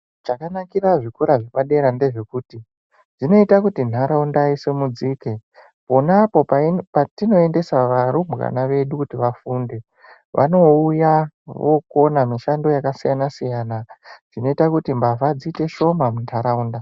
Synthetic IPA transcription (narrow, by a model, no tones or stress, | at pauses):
t͡ʃakanakiraʐikuɾaʐepaɗe̞ɾande̞ʐe̞kuti | ʐino̞itakutin̤aɾaundaisemud͡zike̞ | po̞napo̞patino̞e̞nde̞saʋaɾumɣa̰naʋe̞ɗukutiʋafunde̞ | ʋʔa̰no̞uja | ʋoko̞namiʃando̞jakasijanasijanaʐino̞itakutimbavad͡zite̞ʃo̞mamuntʰaɾauːnda